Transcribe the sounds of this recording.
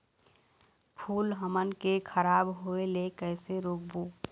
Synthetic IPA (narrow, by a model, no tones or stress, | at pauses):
pʰuːlɦəmənkekʰəɾaːbɦoelekəɪseɾoːk̚boː